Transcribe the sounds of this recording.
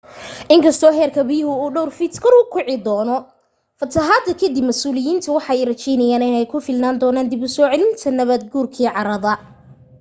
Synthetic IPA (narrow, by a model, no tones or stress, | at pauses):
ʔɪŋkʰɐst̪ʰɔːɦɛːrkʰɐbɪjʊɦʊuːɖɔwrfɪt̪kʰɐɾʊkʰʊʕɪd̪ɔːnɔ | fɐt̪ʰɐɦaːd̪ɐkʰɐd̪ibmɐsuːlɪjiːnt̪ʰɐwɑħɑɛjrɐt͡ʃɛjnɐjaːnɪnɛjkʰʊfɪlnaːnd̪ɔːnaːnd̪ɪbʊsɔːʕɛlɪnt̪ʰɐnɐβɐd̪̚ɡuːrkʰiːʕɑɾɐðɐ